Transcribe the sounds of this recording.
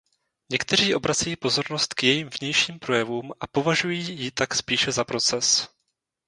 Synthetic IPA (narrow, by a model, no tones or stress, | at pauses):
ɲɛkt̪ɛr̝iːʔo̞bɾat͡sɛjiːpo̞zo̞ɾno̞st̪kjɛjiːmvɲɛjʃiːmpɾo̞jɛvuːmʔapo̞vaʒujiːjɪt̪akspiːʃɛzapɾo̞t͡sɛs